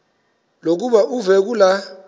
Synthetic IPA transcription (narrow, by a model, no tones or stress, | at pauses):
lok̬uɓaʔuvɛk̬ula